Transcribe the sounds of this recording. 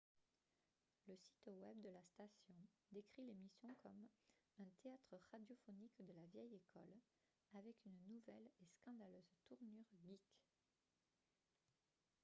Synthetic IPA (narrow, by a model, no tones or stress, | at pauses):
ləsi̥t̪wɛbd̪əlast̪asjɔ̃d̪ekχilemisjɔ̃kʰɔmɛ̃t̪eat̪χəʁad̪jɔfɔnikd̪əlavjɛjekʰɔl | avɛkynnuvɛleskɑ̃d̪aløzt̪uʁnyʁɡʲik